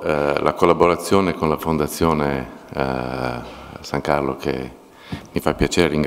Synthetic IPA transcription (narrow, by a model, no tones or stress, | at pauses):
lʔa̰kolːaboɾat̪sːjoːnekonlafond̪at̪sːjoːne | saŋkarlokʰḛ | mifapːjat͡ʃeːɾeɾiŋɡ